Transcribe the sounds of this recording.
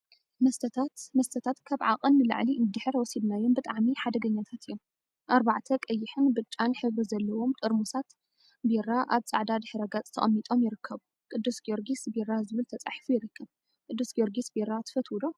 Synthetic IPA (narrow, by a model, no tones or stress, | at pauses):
mɐst̪ʰt̪at̪mɐst̪ʰɐt̪ʰat̪kʰaβʕa̰qʼɨnːɨlɨ̰ʕlinɨd̪ɨħɨɾwɔsibnajombɨt̪ʼaʕmiħad̪ɐɡɐɲːat̪ʰat̪ʰɨjːom | ʔaɾbaʕt̪ʰɐkʼɐjːɪħɨnbɨt͡ʃʼːanħɨβɾizɐlːɐwo̞mt̪ʼɨɾmusat̪ | beɾaʔaβt͡sʼa̰ʕd̪ad̪ɨħɨɾɐɡat͡sʼt̪ʰɐχʼɐmːit̪ʼo̞mjɪɾɨkʰːɐβu | kʼɨd̪ːusɡoɾɡisberazɨβɨlt̪ʰɐt͡sʼa̰ħfujɪɾɨkʰːɐβ | kʼɨd̪ːusɡoɾɡisbeɾat̪ʰɨ̥fɐt̪wulo